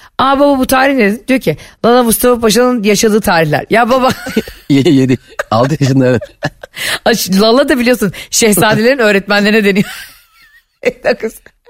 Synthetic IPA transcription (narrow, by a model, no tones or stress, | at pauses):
aabababut̪ʰaːɾiçned̪ind̪ijocʰilˠalˠamust̪ʰafapaʃ̬anˠɯnjaʃad̪ɯːt̪ʰaːɾiçlʲæ̰ɾjaːbabajejed̪ia̰lˠt̪ɯjʰaʃɯnˠaɾɯ | at͡ʃlˠalˠːad̪abilʲijo̞sunʃɛhsaːd̪elʲeɾinø̞ːɾɛt̪mænlʲe̞ɾinɛd̪e̞nijo | d̪akɯs